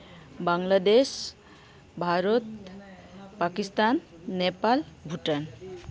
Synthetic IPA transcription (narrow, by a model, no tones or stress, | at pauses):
baŋlad̪es | bʱaɾot̪ | pakist̪anː | epalbʱuʈan